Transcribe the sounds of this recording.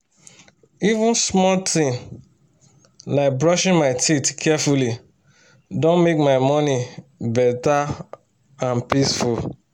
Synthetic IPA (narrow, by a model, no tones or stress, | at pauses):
ivũnsmɔltʰĩŋ | laɪk̚bɹɔʃɪ̃nmaɪtitkʰɛfuli | dõnmek̚maɪmɔnibɛta | ãnpisful